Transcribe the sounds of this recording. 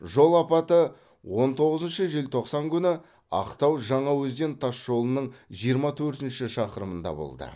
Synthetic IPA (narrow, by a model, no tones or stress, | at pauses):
ʒo̞lˠɑpɑt̪ə | wʔo̞nt̪ʰo̞ʁəzənʃəʒelt̪ʰo̞qsɑŋkʲʰʏnɪ | ɑ̰qt̪ɑwʒɑɴɑwɵzd̪e̞nt̪ʰɑsʒo̞lˠənəɴʒijəɾmɑt̪ʰɵɾt̪ɪnʃɪʃɑqəɾəmənd̪ɑ̰bo̰lˠd̪ə̰